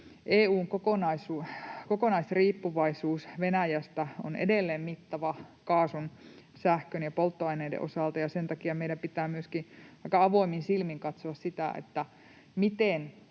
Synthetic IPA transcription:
ʔeːuːŋkokonɑisuːkokonɑisriːpːuʋɑisuːsʋenæjæst̪æo̰nḛdelːeːmmit̪ːɑʋɑkɑːsun | sæhkønjɑpolt̪ːoɑineidḛʔosɑˑlt̪ɑjɑsent̪ɑkiɑmeijdæmpit̪æːmyøskiʋɑikːˑɑɑʋoiminsilmiŋkɑt̪soɑssit̪æ̰ˑʔḛt̪ːæ | mit̪en

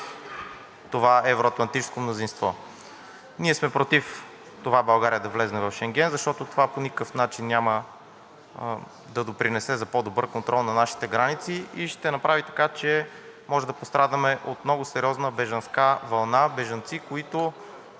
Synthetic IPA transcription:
t̪ovavɾoɐt̪lˠɐnt̪it͡ʃɛ̥skomnozinst̪vɔ | niɛsmɛpɾot̪if | t̪ovabɐlˠɡaɾiəd̪ɐvlɛznɛvɐfʃɛŋɡ̟ɛnzɐʃt̪ɔt̪ot̪ovaponikəfnat͡ʃinːʲamə | d̪ɐd̪opɾinɛsɛzɐpod̪obɤɾkont̪ɾʔɔlˠnɐnaʃi̥t̪ɛɡɾanit̪siiʃt̪ɛnɐpɾavit̪ɐ̥kat͡ʃɛ | mɔʒɛd̪ɐpost̪ɾʔad̪əmɛʔot̪mnɔɡʊsɛɾiɔznəbɛʒɐnskavɐlˠnabɛʒɐnt̪sikoit̪ʊ

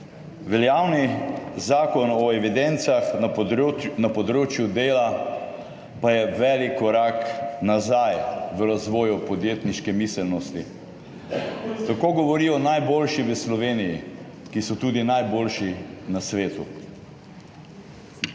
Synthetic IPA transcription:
ʋɛljawnizaːkɔnɔɛʋid̪ɛnt̪sax | napɔd̪ɾoːt͡ʃjud̪eːla | pajɛʋɛlikːɔɾaknazajʋəɾazʋɔːjupɔd̪jeːt̪niʃkɛmisɛlnɔst̪i | t̪akoːɡɔʋɔɾijɔnajboːlʃiʋəslɔʋeːniji | kisɔt̪uːd̪inajboːlʃinasʋeːt̪ṵ

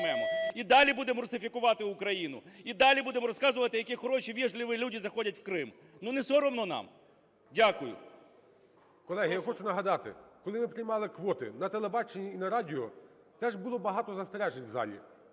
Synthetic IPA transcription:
ɛmɔid̪ɑlʲibud̪emɔɾʊsɪfʲikʊʋɑt̪ɪʊkɾɐjinʊ̰id̪ɑlʲibud̪emɔɾɔskɑzʊʋɐt̪ɪjɐkʲixɔɾɔʃiʋʲiʒlʲɪʋɪlʲudʲizɐxɔdʲɐtʲwkɾɪm | nunɛsɔɾɔmnɔnɑ̰m | dʲakʊjʊ̰ | kɔlˠɛɦɪjaxɔt͡ʃʊnɐɦɐd̪ɑt̪ɪ̰kɔlˠɪmɪpɾɪjmɑlˠɪkʋɔt̪ɪ̰nɐt̪elˠebɑt͡ʃenʲiːnɐɾɑdʲɪɔ | t̪ɛʒbʊlˠɔbɐɦɑt̪ɔzɐst̪ɾɛʒenʲzɑ̰lʲḭ

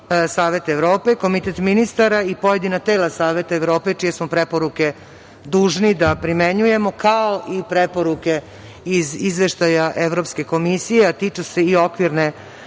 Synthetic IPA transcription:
saːʋe̞t̪eʋɾo̞ːpe̞ko̞mit̪et̪minist̪aɾaipo̞je̞d̪inat̪eːlasaːʋe̞t̪aeʋɾo̞ːpe̞t͡ʃijesmopɾepo̞ɾuke̞ | d̪uːʒnid̪apɾimeɲuje̞mo̞kaoʔipɾepo̞ɾuke̞ | izizʋeʃt̪ajaʔeʋɾo̞pske̞ko̞misijeat̪iːt͡ʃese̞io̞kʋiɾne

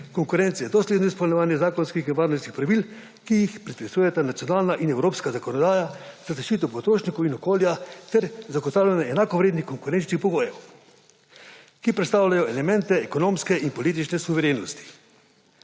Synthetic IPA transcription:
kɔŋkuɾɛnt̪sɛjɛd̪ɔslʲeːd̪nɔispɔlnɛʋaːnjɛzaːkɔnskixinʋaːɾnɔskixpɾaʋil | kijixpɾit̪p̪ɛsuːjɛt̪anat̪sijɔnaːlnaʔinɛwɾoːpskazakɔnɔd̪aːjaz̥azaʃt͡ʃiːt̪ɔpɔt̪ɾoːʃnikɔwinɔkoːljat̪ɛɾzaɡɔt̪aːwlʲjanaɛnakɔʋɾeːd̪nixkɔŋkuɾɛnt͡ʃnixpɔɡoːjɛw | kipɾɛt̪st̪aːwlajɔɛlɛmɛ̃nt̪ɛɛkɔnoːmskɛinpɔliːt̪̬it͡ʃnɛsuʋɛɾeːnɔst̪i̥

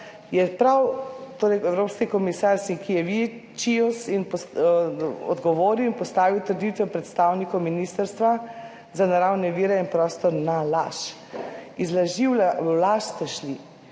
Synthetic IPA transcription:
jɛpɾawt̪oːɾɛjɛwɾoːpskikɔmisaɾsiŋkijɛʋit͡ʃiɔsinpɔ | ɔ̰d̪ɡɔʋoːɾiwinpɔst̪aːʋiwt̪əɾd̪it̪ʋɛpɾɛt̪st̪awnikɔwminist̪əɾst̪ʋa | zanaɾawnɛʋiɾɛinpɾɔːst̪ɔɾnalaʃ | izlaʒiwlalaʃst̪ɛʃli

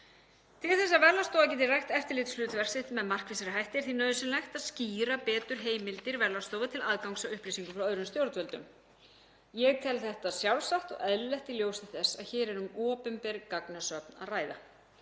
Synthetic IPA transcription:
t̪ʰɪlθɛsːavɛɾlast̪owvac̬ɛːt̪ɪrajxt̪ɛft̪ɪlɪt̪ʏ̥slʏːt̪vɛr̥sɪht̪mɛðmar̥kvɪsaɾɪɦajht̪ɪɾ̥θinœːɥðʏsɛmlɛjxt̪aðsciːɾapɛːt̪ʏɾ̥ɦeːjmɪlt̪ɪɾvɛɾlast̪oːwvat̪ʰɪlaðkawŋksawʏhplisiŋkʏfɾawœːðɾʏmst̪jowɾt̪vœlt̪ʏ̰m | jɛɣt̪ʰɛlθɛht̪asjawlsaht̪ɔ̰ɣɛðlɛht̪ɪljowsɪθɛsːa̰ðçɛːɾɛɾʏmɔːpʏmpɛɾkaknasœpna̰ðraːjða

